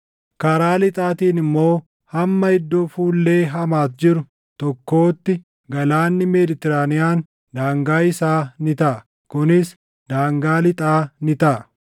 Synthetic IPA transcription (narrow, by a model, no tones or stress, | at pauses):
kɐɾaːlɪt̪ʼaːt̪iːnɪmːo̞ː | hɐmːɐɪd̪ːoːfuːlːe̞ːɦɐmaːt̪d͡ʒɪɾʊ | t̪ɔkːo̞ːt̪ːɪ | ɡɐlaːnːɪmed̪ɪt̪ɛɾaːnɪjaːn | d̪aːŋɡaːɪsaːnɪt̪ɐʔɐ | kʊnɪs | d̪aːŋɡaːlɪt̪ʼaːnɪt̪ɐʔɐ